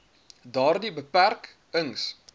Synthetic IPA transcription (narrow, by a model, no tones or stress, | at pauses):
dɑːrdibəpærk | əŋs